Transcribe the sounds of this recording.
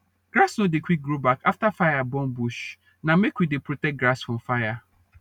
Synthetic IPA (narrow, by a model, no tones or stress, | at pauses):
ɡ̥ɾasnõdekʰʷik̚ɡɾobakʰaftafajabɔ̃nbuʃ | nãmekwidepʰɾotɛk̚ɡɾasfʊ̃mfaja